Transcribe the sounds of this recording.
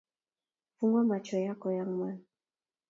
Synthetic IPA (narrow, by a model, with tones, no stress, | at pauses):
fu˦ŋɡwa˦ma˨t͡ʃɔ˨ja˦kɔ˨ja˦ŋmwa˦n